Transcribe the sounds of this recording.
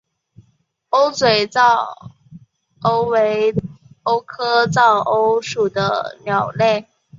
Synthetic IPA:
o˥ʊt͡swe˨˩ɪt͡sɑ˥˩ʊ | o˥ʊwe˧˥ɪo˥ʊkʰɤ˥t͡sɑ˥˩ʊʔo˥ʊʂu˨˩d̪ə̰˦njɑ˨˩ʊle˥˩ɪ

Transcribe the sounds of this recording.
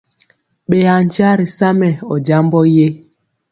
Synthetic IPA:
ɓe˨ja˨n̩˨t͡ʃa˦ɾi˨sa˦mɛ˨ɔ˨d͡ʒa˦m˦bɔ˦je˦

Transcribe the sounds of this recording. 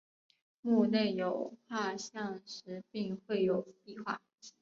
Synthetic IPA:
mu˥˧ne˥˩ɪjo˨˩ʊxwa˥˧ɕjɑ˥˩ŋʂɻ̩˧˥pi˥˧ŋxwe˥˩ɪjo˨˩ʊpi˥˧xwa̰˥˩

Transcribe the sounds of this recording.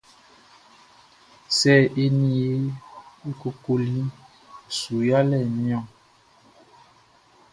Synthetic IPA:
sɛ˦˨ʔe˦ni˦e˦e˦ko˨ko˨li˦ | su˨ja˦lɛ˦˨ni˦ɔ̃˦˨

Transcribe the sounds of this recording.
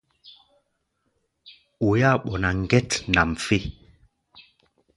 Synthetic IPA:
o˨ja˦˨ɓɔ˨na˨ŋɡɛ˦tna˨m˨fe˦

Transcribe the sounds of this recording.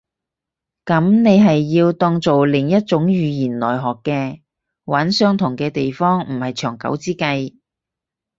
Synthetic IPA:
kɐ˨˥mne˨˧jɦɐ˨jːiː˧wt̪ɔː˧ŋt͡so˨wlɪ˨˩ŋjɐ˥t̚t͡sʊ˨˥ŋjyː˨˧jiː˨˩nlɔː˨˩jɦɔː˨kːɛː˧ | wɐ˨˥nsœː˥ŋt̪ʰʊ˨˩ŋkɛː˧t̪e˨jfɔː˥ŋm̩˨˩hɐ˨˩jt͡ʃʰœː˨˩ŋkɐ̰˨˥wt͡siː˥kɐ˧j

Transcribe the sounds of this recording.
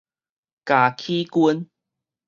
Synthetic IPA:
ka˨˩kʰi˦ku˧˦n

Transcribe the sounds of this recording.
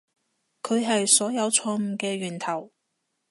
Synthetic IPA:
kʰɵ˨˧ɥɦɐ˨jsɔː˨˥jɐ˨˧wt͡sʰɔː˧ŋm̩˨˩kɛː˧ɥyː˨˩nt̪ʰɐ˨˩w

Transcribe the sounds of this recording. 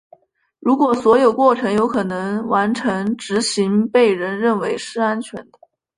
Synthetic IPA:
ɻu˧˥kwɔ˨˩swɔ˧˥jo˨˩ʊkwɔ˥˩ʈ͡ʂʰɤ˧˥ŋjo˧˥ʊkʰɤ˨˩nɤ˧˥ŋwa˧˥nʈ͡ʂʰɤ˧˥ŋʈ͡ʂɻ̩˧˥ɕi˧˥ŋpe˥˩ɪɻə˧˥nɻə˥˩nwe˧˥ɪʂɻ̩˥˩a˥nt͡ɕʰɥɛ˧˥nd̪ə˧

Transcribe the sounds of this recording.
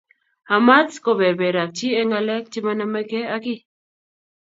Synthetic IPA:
ha˨ma˦t͡sko˨βɛ˨bɛ˨ɾa˨k̚t͡ʃi˦ɛ˦ŋa˧lɛ˦k̚t͡ʃi˦ma˦na˦ma˦kɛ˦a˦ki˦

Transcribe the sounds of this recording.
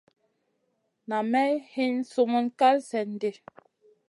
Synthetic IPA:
na˨mɛ˦hi˦n̩˦su˨mu˦nka˦lsɛ˨n̩˦de˨

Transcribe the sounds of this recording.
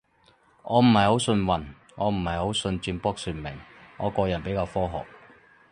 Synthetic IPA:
ʔɔː˨˧m̩˨˩hɐ˨˩jho˨˥wsɵ˧nwɐ˨˩n | ŋɔː˨˧m̩˨˩hɐ˨jho˨˥wsɵ˧nt͡ʃyː˧npɔː˥k̚syː˨nmɪ˨˩ŋŋɔ̰ː˨˧kɔː˧jɐ˨˩npe˨˥jkaː˧wfɔː˥ɦɔ̰ː˨k̚

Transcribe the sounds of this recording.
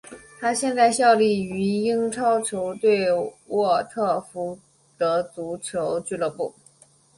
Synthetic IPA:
t̪ʰa˥ɕjɛ˥˧nt͡sa˥˧ɪɕjɑ˥˧ʊli˥˩y˧˥i˥ŋʈ͡ʂʰɑ˥ʊʈ͡ʂʰjo˧˥ʊt̪we˥˧ɪwɔ˥˩t̪ʰɤ˥˩fu˧˥ | t̪ɤ˧˥t͡su˧˥ʈ͡ʂʰjo˧˥ʊt͡ɕy˥˧lɤ˥˩pṵ˥˩

